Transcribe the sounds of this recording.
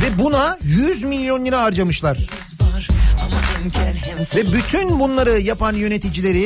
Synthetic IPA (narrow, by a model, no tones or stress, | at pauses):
vɛbunajyzmilʲːjo̞nlʲˠeɾaaɾd͡ʒamɯʃlˠaɾ̥ | vɛbyt̪ʰynbunlˠaɾɯjapanjø̞ne̞t̪ʰid͡ʒilʲe̞ɾi